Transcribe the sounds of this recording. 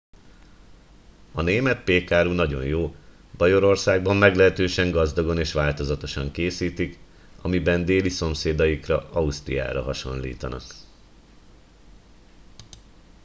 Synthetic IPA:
ɒneːmɛt̪̚peːkaːɾunɒɟo̞̰njoː | b̥ɒjo̞ɾo̞rsaːɡ̚bɒmːɛɡlɛɦɛt̪øːʃɛŋɡɒzd̪ɒɡo̞neːʃʋaːlt̪o̞zɒt̪o̞ʃɒŋkeːsiːt̪ik | ɒmibɛnd̪eːliso̞mseːd̪ɒjikrɒɒust̪rija̰ːɾɒ̰ɦɒʃo̞̰nlḭːt̪ɒnɒ̰k

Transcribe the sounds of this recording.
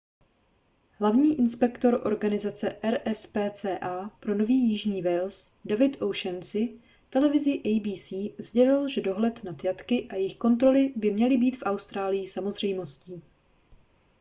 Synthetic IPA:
ɦlavɲiːʔɪnspɛkt̪o̞ɾʔo̞̰ɾɡanɪzat͡sɛʔɛɾɛspɛːt͡sɛːʔaːpɾo̞no̞viːjɪʒɲiːvɛlsdavɪt̪ʔowʃɛnt͡sɪ | t̪ɛlɛvɪzɪʔɛjbiːsiːzɟɛlɪlʒɛdo̞ɦlɛt̪nat̪jat̪kɪʔajɪxko̞nt̪ɾo̞lɪbɪmɲɛlɪbiːt̪fʔawst̪ɾaːlɪjɪsamo̞zr̝ɛjmo̞sciː

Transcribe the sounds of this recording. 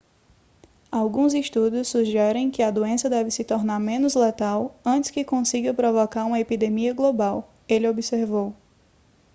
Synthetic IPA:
awɡũziʃt̪ud̪ʊsːuʒɛɾẽj̃kɪɐd̪oẽsɐd̪ɛvɪsɪt̪oɾnaɾmẽnʊzlet̪awɐ̃nt͡ʃ̪ɪ̥skɪkõsiɡɐpɾovɔkaɾũmɐepid̪emiɐɡlobaw | elɪobiseɾvow

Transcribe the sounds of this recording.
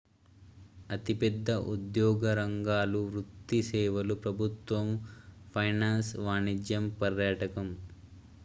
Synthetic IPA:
ɐt̪ipɛd̪ːɐʔud̪jɔːɡɐɾɐŋɡaːluɾut̪ːisɛːʋɐlupɾɐbʱut̪ʋɐmpʰɐjnaːnsʋaːnid͡ʒjɐmpɐɾjaːʈɐkɐm

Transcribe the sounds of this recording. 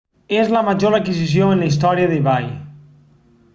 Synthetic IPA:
ezləmaʒoɾakizis̬joenləis̬t̪ɔɾiəðeβaj

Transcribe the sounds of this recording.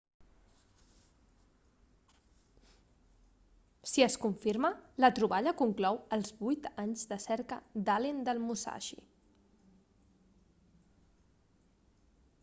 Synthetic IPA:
siəskuɱfiɾmələt̪ɾuβaʎəkuŋklɔwəlˠzβujt̪aɲzd̪əsɛɾkəd̪alend̪əlˠmusa̰ʃḭ

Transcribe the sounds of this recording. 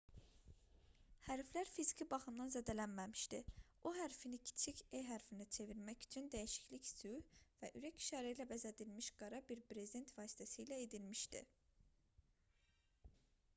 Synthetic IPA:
hæɾflæɾfizicʰibɑχɯmd̪ɑnzæd̪ælænmæmi̥ʃd̪i | oɦæɾfinicʰi̥t͡ʃʰicʰeɦæɾfinit͡ʃʰe̞viɾmæcy̥t͡ʃʰynd̪æjiʃi̥cliçsyvæʔyɾæci̥ʃɑːɾæilæbæzæd̪ilmiʃɡ̥ɑɾɑbiɾpɾe̞zid̪e̞nt̪ʰvɑːsi̥t̪ʰæsiːlæed̪ilmiʃd̪ḭ

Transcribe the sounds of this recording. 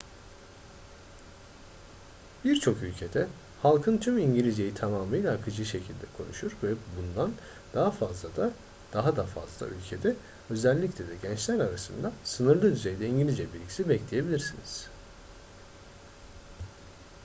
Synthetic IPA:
b̥iɾt͡ʃʰo̞kylʲcʰe̞d̪ɛ | halˠkʰɯnt̪ʰymiɲɟilʲizejit̪ʰamaːmɯjlʲaːkʰɯd͡ʒɯʃe̞cʰilʲd̪ɛkʰo̞̰nuʃuɾvɛbund̪an | d̪̥aɦafazlˠad̪a | d̪̥aɦad̪afa̰zlˠa̰ʔylʲcʰe̞d̪ɛ | ø̞zælʲːiclʲed̪ɛɟɛnt͡ʃlʲæɾaɾasɯnd̪asɯnɯɾlˠɯd̪yze̞jd̪ɛiɲɟilʲizɛbilʲɟʲisibɛclʲeje̞bilʲiɾsiniz̥

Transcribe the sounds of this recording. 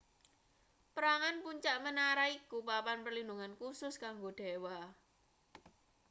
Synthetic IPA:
pəɾaŋanpuɲt͡ʃaʔmənaɾaikupapanpərlinduŋankusʊskaŋɡoɖ̪̥ewa

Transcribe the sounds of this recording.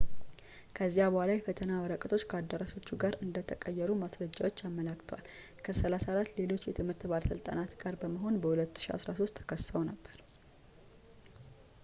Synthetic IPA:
kʰəzːijabəhalajɛfət̪ʰənawəɾəkʼət̪ʰo̞t͡ʃːkʰəad̪ːəɾaʃo̞t͡ʃːuɡaɾɨnd̪ət̪ʰəkʼəjːɛɾumasɾəd͡ʒːawo̞t͡ʃːamːəlakt̪ʰəwal | kʰəsəlasaɾat̪ːle̞lo̞t͡ʃːjɛt̪ʰɨmhɨɾt̪balsɨlt̪ʼanat̪ɡaɾbəməɦo̞nbəhulət̪ːɨ̥ʃia̰sɾaso̞st̪ʰːə̥kʰəsːəwnəbːəɾ

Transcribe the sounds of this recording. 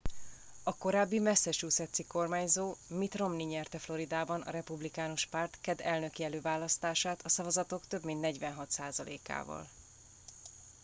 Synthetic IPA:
ɒko̞ɾaːbːimɛsːɛʃuːsɛt̪siko̞rmaːɲzoːmit̪ro̞mniɲɛrt̪ɛflo̞ɾid̪aːbɒnɒ̰ɾɛpublikaːnoʃpart̪kɛd̪ɛlnø̞kiɛløːvaːlːɒst̪aːʃaːt̪ɒsɒvɒzɒt̪o̞kt̪ø̞bmint̪nɛɟvɛnɦɒt̪saːzɒlḛːka̰ːvɒ̰l

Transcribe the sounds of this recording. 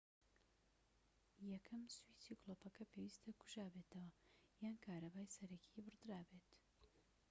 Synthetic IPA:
jɐkʰɐmswiːsukloːpɐkɐpʰeːwist̪ʰɐkʰu̥ʒaːbet̪ʰɐwɐjaːnkʰaːɾɐbaːjsɐɾɐkʰibɨrd̪ɨɾaːbeːt̪

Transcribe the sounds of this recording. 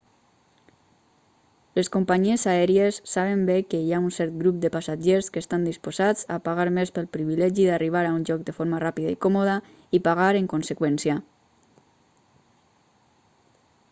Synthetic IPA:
leskumpaɲiezaɛɾiesːaβ̞embekəjaunsɛɾt̪̚ɡɾup̚d̪əpasaʒeɾskəst̪and̪ispozad͡za̰paɣaɾmespəlˠpɾiβilɛʒiðariβ̞aɾaunʒɔk̚d̪əfoɾmarapiðaikɔmoðə | ipaɣaɾeŋkonsəkwɛnsiə

